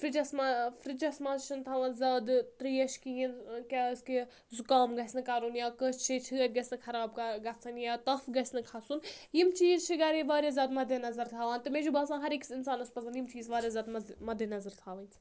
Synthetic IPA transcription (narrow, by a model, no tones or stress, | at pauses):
fɾid͡ʒɐsmafɾid͡ʒɐsmaːzʃʰint̪ʰaːʋɐ̃ːnzʲaːd̪t̪ɾiːɐʃkijinkʲaske | zukaːmɡɐsʲnɨkaːɾuːnjaːkəst͡ʃʰet͡ʃʰɨɐt̪̚ʲɡɐsʲnɨkʰɐɾaːb̚kɡɐt͡sʰɐnjaːt̪ɐfɡɐsʲnɨkʰasunjimt͡ʃiːzt͡ʃʰiɡɐɾeʋaːɾʲjazʲaːd̪mɐd̪ʱɐnɐzɐɾt̪ʰaːʋaːnt̪ɨmẽd͡ʒubɐːsãːɦɐɾiksinsaːnɐspɐzɐnjimt͡ʃiːzʋaːɾʲjazʲaːd̪mɐmɐd̪ʱɐnɐzɐɾt̪ʰaːʋɐnʲt͡sʰ